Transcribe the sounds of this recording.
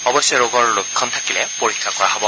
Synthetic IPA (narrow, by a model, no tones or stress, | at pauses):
ɔbɔsɔɹoɡɔɹlʊkʰːɔnt̪ʰakilɛpoɹikʰːakɔɹaɦɔbɔ